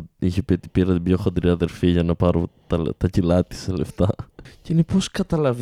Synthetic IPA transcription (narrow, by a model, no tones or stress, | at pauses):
içepet̪i̥piɾɐt̪ibʝoxond̪ɾiɐðe̞ɾfiʝɐnɐpɐɾot̪ɐt̪ɐcilɐt̪i̥sele̞ft̪ɐceineposkɐt̪ɐlɐv